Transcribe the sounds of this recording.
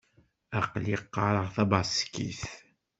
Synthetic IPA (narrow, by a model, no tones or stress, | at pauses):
æqliqːɑɾˤəʁθɑbɑskːḭθ